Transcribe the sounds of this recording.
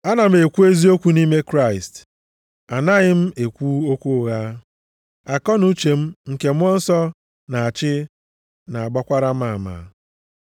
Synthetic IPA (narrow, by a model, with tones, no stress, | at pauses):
a˦na˨m̩˦e˨kʷu˦e˦zi˦o˦kʷu˦ni˦me˦kɾa˦˨ɪ˨st | a˨na˦ɣɪ˦m̩˦e˨kʷu˦o˦kʷu˦ɣa˦ | a˨kɔ˦nu˦t͡ʃe˨m̩˦ŋ̩˨ke˨m̩˦ɔ˦n̩˦sɔ˦ | na˨a˨t͡ʃɪ˦ | na˨a˨ɡ͡bɔ˦kʷa˦ɾa˦m̩˦a˦˨ma̰˨